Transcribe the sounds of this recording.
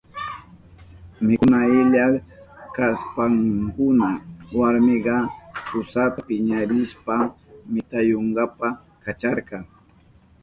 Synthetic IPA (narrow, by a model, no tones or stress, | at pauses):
mɪnaɪʎa | kaspaŋkʊnawaɾmɪɢɑkʊsapɪɲaɾɪʃpamɪt̪ajoɴɢɑpa | kat͡ʃaɾɢɑŋ